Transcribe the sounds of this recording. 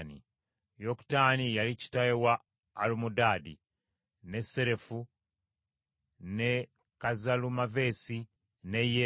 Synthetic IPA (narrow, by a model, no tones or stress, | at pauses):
nḭ | joku̥tanijalici̥tajewaː | lumudaːdi | ne̞se̞ɾe̞fu | ne | kazalumave̞ːsi | ne̞je